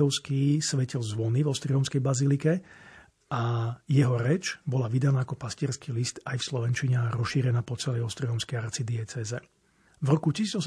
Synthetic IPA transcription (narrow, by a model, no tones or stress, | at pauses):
ɔʊskisʋɛcilzʋɔnivɔʊst̪ɾiɔmskɛjbazilikɛ | ʔajɛɦɔɾɛt͡ʃbɔlaʋid̪anaːakɔpasciɛɾskiːlist̪ajfslɔʋɛnt͡ʃiɲɛɾɔʃiɾɛnaːpɔt͡sɛlɛjɔʊst̪ɾiɦɔmskɛjaɾt͡sid̪ɪɛt͡sɛːzɛ | vɾɔkucisiːd͡zɔs